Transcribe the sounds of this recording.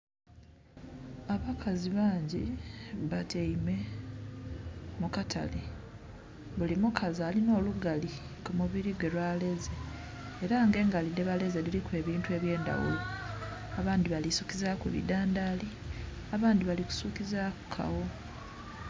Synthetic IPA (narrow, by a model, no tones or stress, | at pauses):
aβakʰaziβaːɲɟiβateime̞ | mukatʰa̰le | βulimukʰazaːlino̞ːluɡali | kumuβiɾiɡwe̞lwale̞ze̞ː | ɾaːŋɡe̞ːŋɡalide̞βale̞zelilikwe̞ːβiːntue̞βje̞ːnda̰wṵlo | aβaːndiβalisukizakweβḭdaːndaːli | aβaːndiβaliku̥suːkizakʰa̰wo̞